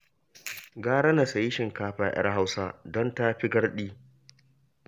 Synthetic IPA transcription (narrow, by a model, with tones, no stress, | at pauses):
ɡaː˦ɽɐ˦na˨sa˨ji˦ʃɪ˨ŋkaː˦ɸaː˨jʔɐ̰˦rɦa˦wsaː˦dɔ˦nta˦ɸi˦ɡɐ˦ɽɗiː˦